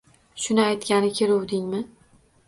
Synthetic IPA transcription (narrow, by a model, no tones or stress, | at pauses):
ʃʊnɪajt̪kʲanɪkʲʰeɾowd̪ɪŋmɪ